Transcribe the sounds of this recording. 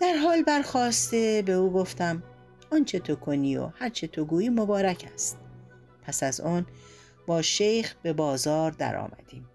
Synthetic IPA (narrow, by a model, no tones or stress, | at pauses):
d̪̥æɾɦɒːlbæɾxɒːst̪e̞be̞uːɡo̞ft̪æm | ɒːnt͡ʃʰe̞t̪ʰokʰo̞niːo̰hæɾt͡ʃʰet̪ʰoɡuːjiːmobɒːɾæcʰæst̪̚ | pʰæsæzɒn | b̥ɒːʃejxbe̞bɒːzɒːɾd̪æ̰ɾɒ̰ːmʔæ̰d̪̥iːm